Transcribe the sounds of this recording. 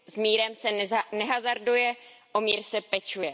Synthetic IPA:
zmiːɾɛmsɛnɛɦazaɾdujɛʔomiːɾsɛpɛt͡ʃujɛ

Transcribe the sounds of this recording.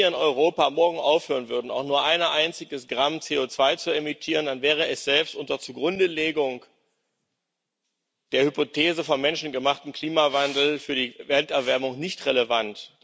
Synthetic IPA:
ɪnɔʏʁ̞oːpamɔɐɡŋ̩ʔaʊfhøːʁ̞ənvʏɐdn̩aʊxnuːɐʔaɪnɐʔaɪnt͡sɪɡəsɡ̥ʁamt͡seːot͡sv̥aɪt͡suemitʰiːʁəndanvɛːʁ̞əɛsz̥ɛlpstʔʊntɐt͡suɡʁʊndəleːɡʊŋ | d̥eːɐhypotʰeːzəfɔnmɛnʃn̩ɡəmaχtn̩kʰl̥iːmavandl̩fyːɐdiːvɛltɛɐvɛɐmʊŋnɪçtʁeləvant

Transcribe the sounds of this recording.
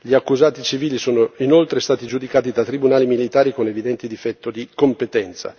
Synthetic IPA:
ʎiakːuzaːt̪it͡ʃiviːlisoːnoinolt̪ɾest̪aːt̪id͡ʒud̪ikaːt̪id̪at̪ɾibunaːlimilit̪aːɾikonevid̪ɛnt̪ed̪ifɛt̪ːod̪ikompet̪ɛnt̪sa̰

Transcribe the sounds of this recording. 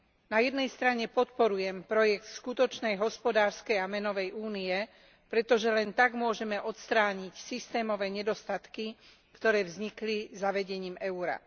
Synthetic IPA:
najɛd̪nɛjst̪ɾaɲɛpɔt̪pɔɾujɛmpɾɔjɛkt̪skut̪ɔt͡ʃnɛjɦɔspɔd̪aːɾskɛjamɛnɔʋɛjʔuːniɛ | pɾɛt̪ɔʒɛlɛnt̪aɡmʊɔʒɛmɛʔɔt̪st̪ɾaːɲicsist̪ɛːmɔʋɛːɲɛd̪ɔst̪at̪ki | kt̪ɔɾɛːvzɲiklizaʋɛɟɛɲiːmɛuɾa̰

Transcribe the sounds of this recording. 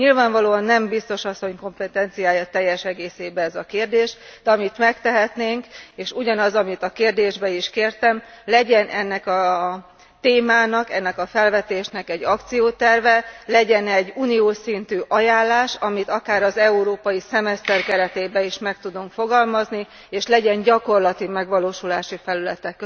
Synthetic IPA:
ɲilvaːɱvɒloːɒnːɛmbist̪o̞ʃɒsːo̞ɲko̞mpɛt̪ɛnt̪sijaːjɒt̪ɛjːɛʃɛɡeːseːbɛɛzɒkeːrd̪eːʃd̪̥ɛɒmit̪mɛkt̪ɛɦɛt̪neːŋkeːʃuɟɒnɒzɒmit̪ɒkeːrd̪eːʒbɛiʃkeːrt̪ɛmlɛɟɛnʔɛnːɛkɒ | t̪eːmaːnɒkɛnːɛkɒfɛlvɛt̪eːʃnɛkɛɟːɒkt̪sijoːt̪ɛrvɛlɛɟɛnɛɟːuːnijoːsint̪yːʔɒjaːlːaːʃɒmit̪ɒkaːɾɒzɛuɾoːpɒjisɛmɛst̪ɛrkɛɾɛt̪eːbɛiʃmɛk̚t̪ud̪uŋkfo̞ɡɒlmɒzni | eːʃlɛɟɛɲɟɒko̞rlɒt̪imɛɡʋɒloːʃulaːʃifɛlylɛt̪ɛkːø

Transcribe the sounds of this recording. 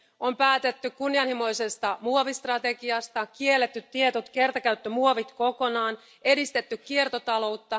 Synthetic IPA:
ompæːt̪et̪ːykkunːiɑnhimo̞jse̞st̪ɑmuoʋist̪rɑt̪e̞kiɑst̪ɑkielːet̪ːyt̪ːiet̪ot̪ke̞rt̪ɑkæyt̪ːømuoʋit̪ko̞ko̞nɑːn | e̞dist̪et̪ːykkːiert̪ot̪ɑlo̞wt̪ːɑ

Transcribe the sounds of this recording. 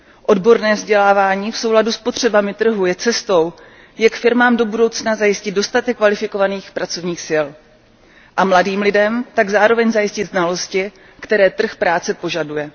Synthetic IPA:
ʔo̞dbo̞ɾnɛːvzɟɛlaːvaːɲiːfso̞wladuspo̞t̪r̝̥ɛbamɪt̪r̩ɦujɛt͡sɛst̪o̞w | jakfɪɾmaːmdo̞budo̞wt͡snazajɪscɪd̪do̞st̪at̪ɛkːvalɪfɪko̞vaniːxpɾat͡sovɲiːxsɪl | ʔamladiːmlɪdɛmt̪aɡzaːɾo̞vɛɲzajɪscɪd̪znalo̞scɪ | kt̪ɛɾɛːt̪r̩xpɾaːt͡sɛpo̞ʒadujɛ

